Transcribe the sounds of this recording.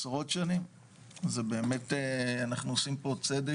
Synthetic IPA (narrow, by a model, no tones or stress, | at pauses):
sʁo̞tʃanim | zebe̞ːme̞teanaχnuosimpo̞t͡sed̪e